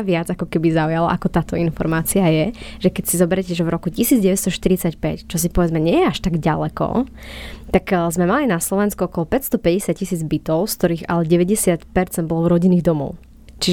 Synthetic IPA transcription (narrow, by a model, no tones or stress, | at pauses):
ʋɪad͡zakɔkɛbizaujala̰ʔakɔt̪aːt̪ɔinfɔ̰ɾmaːt͡siajɛʒ̥ɛkɛcsizɔbɛɾɛcɛʒɛvɾɔkucisiːd͡zɟɛʋɛst̪ɔʃt̪iɾit͡sacpɛct͡ʃɔs̬ipɔʋɛd͡zmɛɲɛjɛaʃt̪aɡɟalɛkɔ̰ | t̪akzmɛmalinaslɔʋɛnskuɔkɔlɔpɛcst̪ɔpɛɟɛsɪat̚cisiːd͡zbit̪ɔʊskt̪ɔɾiːɣa̰lɛɟɛʋɛɟɛsɪat̪pɛɾt͡sɛnd̪bɔlɔvɾɔɟiniːɣd̪ɔmɔ̰ʊ | t͡ʃi